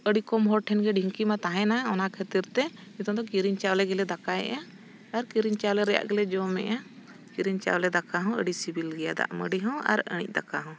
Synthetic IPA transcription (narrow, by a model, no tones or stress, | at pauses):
əɽikɔmɦɔɾʈʰɛnɡɛɖʱiŋkimat̪aɦɛ̃naɔnakʰət̪iɾt̪ɛmit̪ɔd̪ɔkiɾiɲt͡ʃawlɛɡɛlɛd̪akaɛ̰ʔaː | ɾkiɾiɲt͡ʃawlɛɾɛja̰ʔɡɛlɛd͡ʒɔmɛ̰ʔa | kiɾiɲt͡ʃa̰wlɛd̪akaɦɔ̃ə̰ɖisibilɡɛjad̪a̰ʔməɖiɦɔ̃a̰ɾə̰ɽ̃ḭc̚ˀd̪akaɦɔ̃